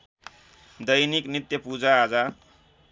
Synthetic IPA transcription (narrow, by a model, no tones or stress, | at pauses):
d̪ʌjniknit̪jʌpud͡zaːd͡za